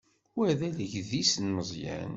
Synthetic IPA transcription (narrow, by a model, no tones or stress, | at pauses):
æðæləʝðisənməzˤjæ̰n